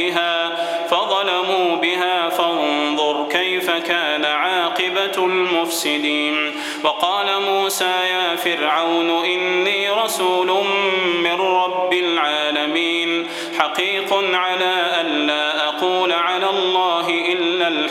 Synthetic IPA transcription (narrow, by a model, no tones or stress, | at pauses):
ɪɦaː | fɑðˤɑlamuːbɪɦaːfanðˤʊɾˤkajfakaːnaʕaːqɪbalmʊfsɪd̪iːn | wɑqɑːlamuːsaːjaːfɪɾʕawnʔɪnːiːɾˤɑsuːlʊnmɪnɾɑbːɪlʕaːlamiːn | ħaqiːqʊnʕalaːʔanːaːʔaquːlʕalaːlˤːɑːɦɪʔɪlːal